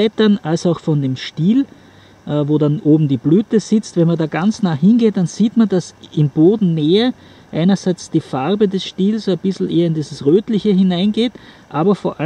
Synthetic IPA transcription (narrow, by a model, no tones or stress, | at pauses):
ɛtɐnalsaʊxfɔndemʃtiːl | ʔɛvoːdanʔoːbm̩diːblyːtəz̥ɪt͡stvɛnmɐndaːɡ̥ant͡snaːhɪnɡeːt̚d̥anz̥iːtmandasɪmboːdn̩neːɐ | ʔaɪnɐzæɪt͡sd̥iːfaʁbədɛsʃtiːlsab̥ɪsl̩ʔeːɐɪndiːzəsʁøːtlɪçəɦɪnaɪnɡeːtʔaːbɐfoːɐʔa